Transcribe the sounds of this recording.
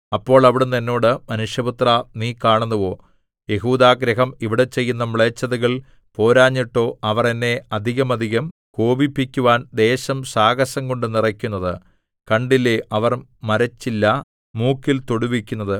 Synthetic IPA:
ɐpːo̞ːɭɐʋiɽenːɐnːo̞ːɽɨmɐnuʂjɐbut̪raniːkaːɳunːɐʋo̞ː | je̞ɦuːd̪aːɡɾɐɦɐmiʋiɽe̞t͡ɕe̞jːunːɐmɭet͡ɕːɐðɐɣɐɭ | po̞ːɾaːɲːiʈːo̞ːɐʋɐrenːe̞ɐd̪ʱiɣɐmɐd̪ʱiɣɐmko̞ːbipːikʲːuʋaːnd̪e̞ːɕɐmsaːɣɐɕɐŋko̞ɳɖɨnirɐkʲːunːɐðɨ | kɐɳɖileʔɐʋɐrmɐɾɐt͡ɕːilːɐ | muːkːilt̪oɽuʋikʲːunːɐðɨ

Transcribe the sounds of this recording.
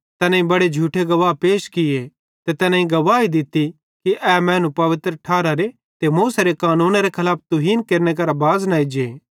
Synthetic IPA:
t̪ɛːnãĩbɐɽed͡ʒʱuːʈʰeɡɐʋaːpeːʃkɪje | t̪et̪ɛːnãĩɡɐʋaːid̪ɪt̪ːi | kiʔɛmɛ̃ːnũpɐʋɪt̪ɾəʈʰaːɾaɾe | t̪emuːseɾekaːnũːnaɾekʰɐlaːp̚ʰt̪ʊɦiːnkeːɾnek̬ɐɾabaːznaːid͡ʒeː

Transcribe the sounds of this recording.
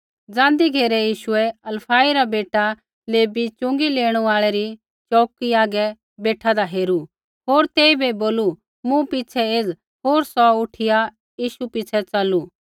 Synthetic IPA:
d͡zãːnd̪iɡʱeːɾɛjiːʃuɛɐlpʰaːiɾabeːʈa | leːbit͡ʃʊ̃ŋɡileːɽ̃uaːɭɛɾi | t͡ʃɔːkiaːɡɛ | beːʈʰad̪aɦeːɾu | ɦoːɾt̪eːibeboːlu | mũpit͡ʃʰɛeːd͡z | ɦoːɾsɔʊʈʰɪja | jiːʃupɪt͡sʰɛt͡sɐlu

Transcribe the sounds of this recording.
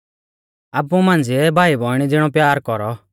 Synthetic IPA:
apːũmãːnd͡zɪɛbʱaːibʱɔɪɽ̃idɪɽ̃ɔpjaːɾkɔɾɔ

